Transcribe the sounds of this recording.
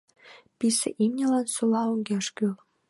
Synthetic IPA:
pisḛʔimnʲə̆lɑnsulɑuŋɡʲeʃkyl

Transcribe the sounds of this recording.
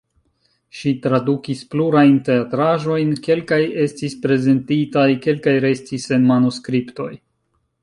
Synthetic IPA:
ʃitɾadukispluɾajnte̞atɾaʒo̞jnke̞lkaje̞stispɾe̞ze̞ntitajke̞lkajɾe̞stise̞nmanuskɾipto̞j

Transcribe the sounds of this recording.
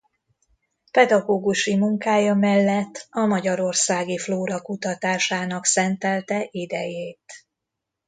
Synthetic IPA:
pɛd̪ɒɡoːɡuʃimuŋkaːjɒmɛlːɛt̪ːɒmɒɟɒɾo̞rsaːɡifloːɾɒkut̪ɒt̪aːʃaːnɒksɛnt̪ɛlt̪ɛʔid̪ɛjeːt̪

